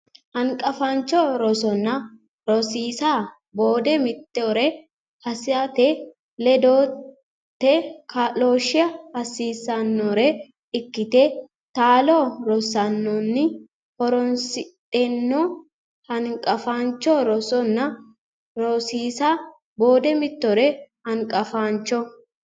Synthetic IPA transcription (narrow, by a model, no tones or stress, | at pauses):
hɐŋkʼɐfaːnt͡ʃːoːɾɔsɔnːɐ | ɾɔsiːsaː | boːd̪ɛmɪt̪ːɛɔɾɛ | hɐsɪɐt̪ɛ | lɛd̪oː | t̪ːɛkɐlo̞ːʃɪɐhɐsiːsːɐnːɔɾɛ | ɪkːɪt̪e | t̪aːloːɾɔsɐnːɔnːɪ | hɔɾɔnsɪt̪ʼɛnːo | hɐnkʼɐfaːnt͡ʃːoɾɔsɔnːɐ | ɾosiːsaː | bo̞ːd̪ɛmɪt̪ːɔɾɛhɐŋkʼɐfaːnt͡ʃːɔ